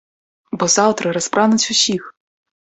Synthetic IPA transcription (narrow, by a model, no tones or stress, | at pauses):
bɔzɑwt̪ɾɐɾɐspɾʔɑnʊt͡sʲʊsʲix